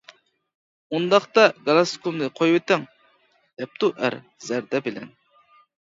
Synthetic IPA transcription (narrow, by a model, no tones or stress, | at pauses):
und̪ɑχt̪ɑɡɑlˠɑskʰumnɨqʰojwɪt̪ɪŋ | d̪̥ɛp̚t̪ʰuʔæ̰ɾ | zæɾd̪ɛbɪlɛ̰n